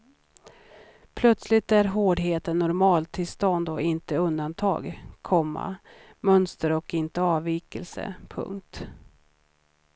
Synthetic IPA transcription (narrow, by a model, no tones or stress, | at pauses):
pʰlœt̪slɪt̪æɾɦoːɖɦeːt̪ənːɔɾmɑːlt̪ʰːɪlst̪ɔnd̪ɔɪnt̪əɵnd̪ant̪ʰɑ̰ːɡkʰɔmːa̰ | mœnst̪əɾɔkɪnt̪əɑːviːkəlsə̰pʰɵ̰ŋkt̪